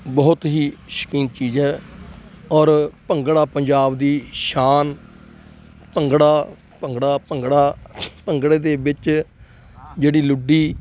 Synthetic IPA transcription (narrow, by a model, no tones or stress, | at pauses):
bɔːt̪ɦiːʃə̥kĩːnt͡ʃiːzɛː | ɔːɾpəŋɡɽaːpəɲd͡ʒaːbd̪iːʃaːn | pəŋɡɽaː | pəŋɡɽaːpəŋɡɽaːpəŋɡɽeːd̪eːbɪt͡ʃ | d͡ʒeːɽiːlʊɖiː